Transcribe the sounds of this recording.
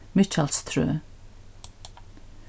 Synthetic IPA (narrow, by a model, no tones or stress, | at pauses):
mɪt͡ʃalst̪ʰɾø̰ː